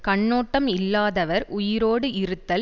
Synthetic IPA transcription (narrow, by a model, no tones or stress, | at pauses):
kɐɳːoːʈːɐmɪlːaːðɐʋɐɾʊjɪɾoːɽɯɪɾɯt̪ːɐl